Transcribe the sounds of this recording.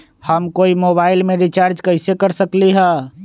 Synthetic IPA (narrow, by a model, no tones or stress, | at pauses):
həmkoimobaːɪlmẽɾit͡ʃaːɾd͡ʒkəɪsekəɾsəkliɦɛ̃